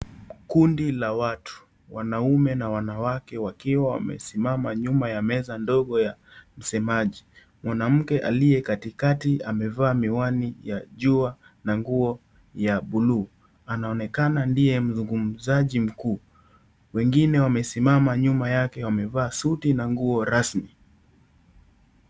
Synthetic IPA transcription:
kundilawatʰu̥ | wanaumɛnawanawakɛwakiwawa̰mɛ̰simamaɲumajamɛzandɔɠɔjam̩sɛmaʄi | mwanam̩kɛʔa̰lijɛkatikatiamɛvaːmiwanijaʄua | naŋɡuɔ | jaɓuluː | anaɔnɛkanandijɛm̩zuŋɡum̩zaʄim̩kuː | wɛŋɡinɛwamɛsimamaɲumajakɛwamɛvaːsutinaŋɡuɔɾasmi

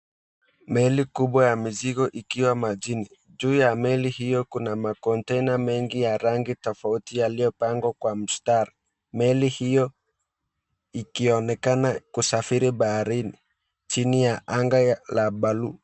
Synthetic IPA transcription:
mɛlikuɓwajamiziɣɔʔikiwamad͡ʒini | d͡ʒuːjamɛlihijɔkunamakɔntɛnamɛŋɡijaɾaŋɡitɔfautijalijɔpaŋɡwakwam̩staɾi | mɛlihijɔ | ikiɔnɛkanakusafiɾiɓahaɾinḭ | t͡ʃinijaʔaŋɡalaɓalu

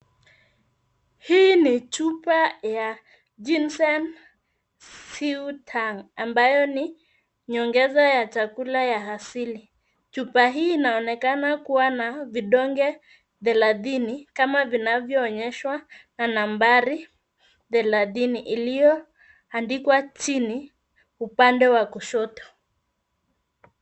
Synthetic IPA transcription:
hiːnit͡ʃupaja | d͡ʒinsɛn | siutʰaŋambajɔni | ɲɔŋɡɛzajat͡ʃakulajaɦasili | t͡ʃupaɦiːnaɔnɛkanakuwanaviɗɔŋɡɛ | ðɛlaðinikamavinavjɔːɲɛʃwananambaɾi | ðɛlaðiniʔilijɔ | andikwat͡ʃini | upandɛwakuʃɔtɔ̥

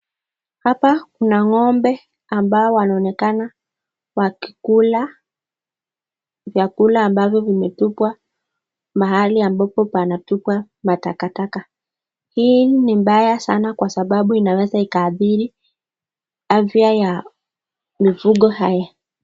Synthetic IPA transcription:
hapakunaŋɔmbɛ | ambaɔwanaɔnɛkana | waki̥kula | vjakulaːmbavjɔvimɛtupwa | maɦaliambapɔpanatupwa | matakataka | hiːnimɓajasanakwasaɓaɓuinawɛzaikaːθiɾi | afjaja | mifuɠɔhaja

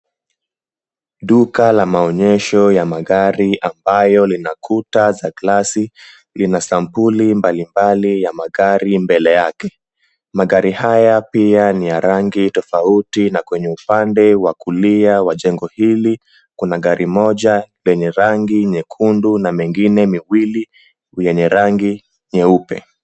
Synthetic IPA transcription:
ɗukalamaɔɲɛʃɔjamaɠaɾiʔambajɔlinakʰutazaklasi | linasampulimbalimbalijamaɠaɾimbɛlɛjakɛ | maɠaɾihajapianijaɾaŋɡitɔfautinakwɛɲɛupandɛwakuliawaʄɛŋɡɔhili | kunaɠaɾʔimɔʄalɛɲɛɾaŋɡiɲɛkʰundunamɛŋɡinɛmiwili | jɛɲɛɾaŋɡi | ɲɛupɛ̰

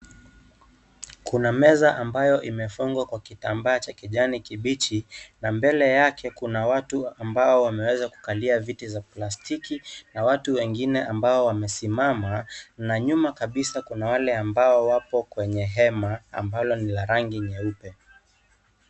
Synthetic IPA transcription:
kunamɛzaʔambajɔʔimɛfuŋɡwakwakitambaːt͡ʃakiʄanikiɓit͡ʃinambɛlɛjakʰɛkunawatuambaɔwamɛwɛzaku̥kaliavitizaplastikinawatuwɛŋɡinɛʔambaɔwamɛsimamanaɲumakaɓisakunawalɛambaɔwapɔkwɛɲɛɦɛmaa̰mbalɔnilaɾaŋɡiɲɛupɛ

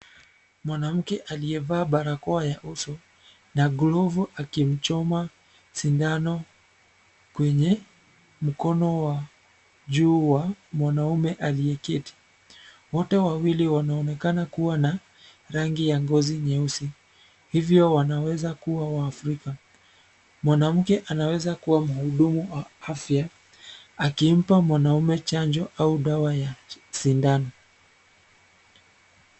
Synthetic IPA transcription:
mwanam̩kɛʔaliɛvaːɓaɾakɔajaʔusɔ | naɡlɔvuʔakim̩t͡ʃɔma | sindanɔ | kwɛɲɛ | m̩kɔnɔwa | ʄuːwamwanaumɛʔalijɛkiti̥ | wɔtɛwawiliwanaɔnɛkanakuwana | ɾaŋɡijaŋɡɔziɲɛusi | hivjɔwanawɛzakuwawaːfɾika | mwanam̩kɛʔanawɛzakuwam̩huɗumuwaafja | akim̩pamwanaumɛt͡ʃaɲd͡ʒɔʔauɗawajasindani

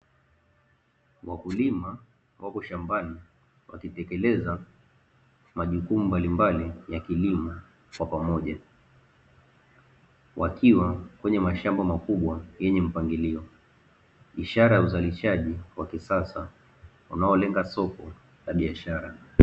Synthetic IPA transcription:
wakulima | wʔakɔʃambani | wakitɛkɛlɛza | maʄukumumbalimbalijakilima | kwapamɔʄa | wakʰiwakwɛɲɛmaʃambamakuɓwajɛɲɛm̩paŋɡiliɔ | iʃaɾajauzaliʃaʄiwakisasa | unaɔlɛŋɡasɔkɔ | laɓiaʃaɾa

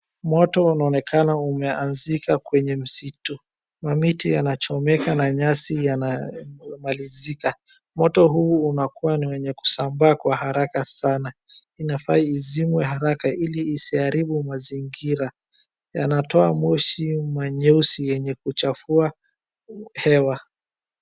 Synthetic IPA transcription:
mɔtɔunaɔnɛkʰanaumɛanzikakwɛɲɛm̩situ | mamitijanat͡ʃɔmɛkanaɲasijanamalizika | mɔtɔɦuːnakuwaniwɛɲɛku̥sambaːkwahaɾakasana | inafaiːzimwɛɦaɾakaʔiliːsiaɾiɓumaziŋɡiɾa | ja̰natɔamɔʃimaɲɛusijɛɲɛkut͡ʃafua | hɛwa

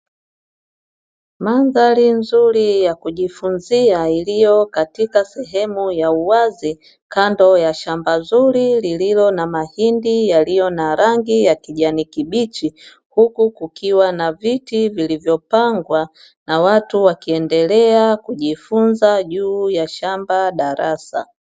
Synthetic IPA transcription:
manðalinzuɾijakuʄifunziailijɔkatikasɛɦɛmujauwazi | kandɔjaʃambazuɾilililɔnamahindijalijɔnaɾaŋɡijakiʄanikiɓit͡ʃi | hukukukiwanavitivilivjɔpaŋɡwa | nawatuwakiɛndɛlɛakuʄifunzaʄuːjaʃambaɗaɾasa̰

